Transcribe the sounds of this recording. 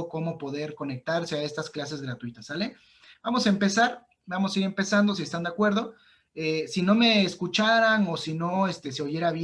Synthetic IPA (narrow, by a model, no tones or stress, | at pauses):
oko̞mo̞po̞ðe̞ɾko̞ne̞k̚t̪aɾse̞ae̞st̪asklas̬e̞zɣɾat̪wit̪asale | b̥amo̞saempe̞saɾ | bamo̞saiɾe̞mpe̞sand̪o̞s̬iest̪and̪eakwe̞ɾð̞o̞ | esino̞me̞ːskut͡ʃaɾano̞sino̞est̪e̞s̬eo̞ʝe̞ɾaβj